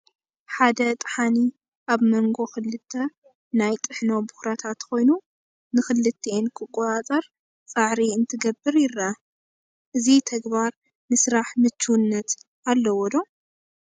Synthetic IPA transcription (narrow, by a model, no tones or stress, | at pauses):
ħad̪ɐt̪ʼħani | ʔaβmɐŋɡo̞xɨlːɨt̪ʰːɐ | najt̪ʼɨħnobʊxɾɐt̪ʰat̪kʰo̞jnu | nɨxɨlːɨt̪ʰːenkʰɨkʼːɔt̪ʼat͡sʼɐɾ | t͡sʼaʕɾiɨnt̪ʰɨɡɐbːɨɾjɪrːa | ʔɨzit̪ʰɐɡbaɾ | nɨsɨɾaħmɨt͡ʃːuwnːɐt̪ | alːɐwɔd̪o̞